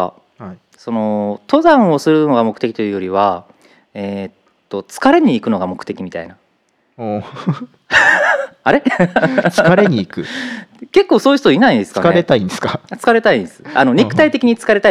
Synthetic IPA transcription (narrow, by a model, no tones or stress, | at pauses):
so̞no̞t̪o̞zãɰ̃o̞sɨɾɯ̟no̞ɡamo̞kɯ̥t̪e̞kʲit̪o̞jɯ̟ːjo̞ɾʲiβa | eːt̪ː | o̞t͡sɨ̥kaɾe̞ɲ̟iːkɯ̟no̞ɡamo̞kɯ̟̥e̞kʲimʲit̪a̰ḭna | o | aɾe̞ | aɾeɲiːkɯ̟ke̞kːo̞ːsoːjɯ̟st̪oinaid̪esɨ̥kanaeɾet̪aĩnd̪esɨ̥kat͡sɨ̥kaɾe̞t̪aĩnd̪esɨ̥ano̞ɲʲikɯ̟t̪ait̪e̞kʲiɲ̟it͡sɨ̥kaɾe̞t̪a